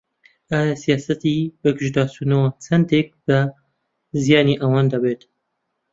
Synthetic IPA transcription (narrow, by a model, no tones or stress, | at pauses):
aːjasijɑːsɐt̪ibɨɡɨʒd̪aːsunɐwat͡sʰɐnd̪ek̚b̥ɐ | zijɑːniʔɐwɑːnd̪ɐbeːt̪